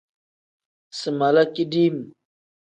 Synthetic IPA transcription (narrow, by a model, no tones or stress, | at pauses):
sɨmalakidim